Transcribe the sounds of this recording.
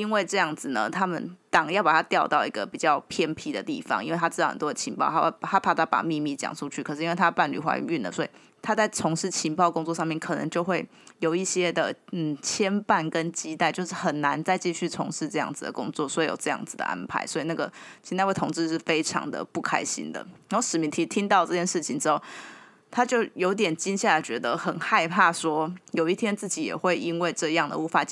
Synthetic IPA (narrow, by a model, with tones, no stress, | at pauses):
i˥nwe˥˩ɪʈ͡ʂɤ˥˧jɑ˥˩ŋd͡zɹ̩˨nə̰˩t̪ʰa˥mə˨nt̪ɑ˨˩˦ŋjɑ˥˩ʊpa˨˩t̪ʰa˥t̪jɑ˥˧ʊt̪ɑ˥˩ʊi˧˥ɡə˧˨pi˨˩t͡ɕjɑ˥˩ʊpʰjɛ˥npʰi˥d̪ə̰˨t̪i˥˩fɑ̰˨˦ŋʔi˥nwe˥˩t̪ʰa˥ɻ̩˥˧ɑ˥ə̰˨˩nt̪wɔ˥d̪ə˨˩t͡ɕʰi˧˥npɑ̰˥˩ʊa˥ha˥pʰa˥˩t̪ʰa˥˩pa̰˨˩mi˥˧mi˥˩t͡ɕjɑ̰˨˩ŋʂu˥˧t͡ɕʰy˥˩˨ʂɻ̩˥i˥nwe˥˧˩t̪ʰa˥˧pa˥˩nly̰˨˩xwa̰˧˥y̰˥˧y˥˩nlə̰˩swɔ˧˥i˨˩ | t̪ʰa˥t͡sa˥˩ɪt͡sʰʊ˧˥ŋʂɻ̩˥˩t͡ɕʰi˧˥npɑ˥˩ʊkʊ˥ŋt͡swɔ˥˧ʂ̬ɑ˥˧ŋmjɛ˥˩nkʰɤ˨˩nɤ̰˧˦ŋt͡ɕjo˥˧ʊxwe˥˩ɪ | jo˨˩ʊi˥˩ɕjɛ˥d̪ə˨n̩˥˩t͡ɕʰjɛ˥npa˥˨˩nkə˦nt͡ɕi˥t̪a˥˧ɪt͡ɕjo˥˧ʊʂɻ̩˥˩xə˨˩nna˧˦nt͡sa˥˧ɪt͡ɕi˥˧ɕy˥˩t͡sʰʊ̰˧˥ŋʂɻ̩˥˧ʈ͡ʂɤ˥˧jɑ̰˥˩ŋd͡zɹ̩˨˩d̪ə̰˩kʊ̰˥ŋt͡swɔ˥˩swɔ˧˥i˨˥jo̰˨˩ʊʈ͡ʂɤ˥˧jɑ̰˥˩ŋd͡zɹ̩˨˩d̪ə̰˩ʔa̰˦˥npʰa̰˧˦ɪswɔ˧˥i˨˩na˥˩ɡə˩t͡ɕʰi˧˥nt̪a˥˧wtʰo˧˥ŋt͡sɻ̩˥˧ʂɻ̩˥˩fe˥ɪʈ͡ʂʰɑ̰˧˥ŋd̪ə̰˨pu˥˩kʰa̰˥ɪɕḭ˥nd̪ə̰˨na˥o˥˩ʂɻ̩˨˩mi˧˥nt̪ʰi˧˥t̪ʰi˥ŋt̪ɑ˥˧ʊʈ͡ʂɤ˥˧˩t͡ɕjɛ˥nʂɻ̩˥˩t͡ɕʰi˨ŋʈ͡ʂɻ̩˥xo˥˩ʊ | t̪ʰa˥t͡ɕjo˥˩ʊjo˧ʊt̪̬jɛ˨˩nt͡ɕi˥ŋɕja˥˩la˧˥ɪt͡ɕɥɛ˧˥d̪ə˧xə˨˩nxa˥˧ɪpʰa˥˩swɔ˥jo˨˩ʊi˥˩t̪ʰjɛ˥nt͡s̩˥˩t͡ɕi˨˥jɛ̰˨˩xwe˥˩ɪi˥nwe˥˧ɪʈ͡ʂɤ˥˧jɑ˥˩ŋd̪ə̰˨u˥˩fa˧˥